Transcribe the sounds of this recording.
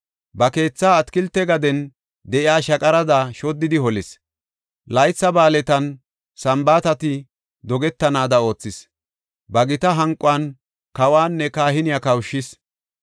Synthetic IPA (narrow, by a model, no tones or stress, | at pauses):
bɐke̞ːt͡sːaːt̪kɪlt̪ːɛɡɐd̪ɛn | d̪ɛʔɪaːʃɐkʼɐɾɐd̪aʃɔd̪ːɪd̪ɪhɔlɪs | lɐjt͡sːɐbaːlɛt̪ɐn | sɐmbaːt̪ɐt̪ɪ | d̪ɔɡɛt̪ːɐnaːd̪ɐo̞ːt͡sːɪs | bɐɡɪt̪ɐɦɐŋkʼʊan | kɐwaːnːɛkaːhɪnɪjakɐwʃːɪs